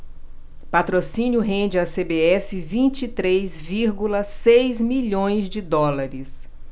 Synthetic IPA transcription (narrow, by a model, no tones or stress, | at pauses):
pat̪ɾosĩnʲjʊɦẽnd͡ʒɪasebeɛfɪvĩnt͡ʃit̪ɾejzviɾɡulɐsejzmiʎõj̃zd͡ʒɪd̪ɔlaɾɪs